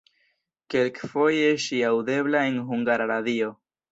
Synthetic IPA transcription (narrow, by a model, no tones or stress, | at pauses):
ke̞lkfo̞jeʃiawde̞blae̞nɦuŋɡaɾaɾadio̞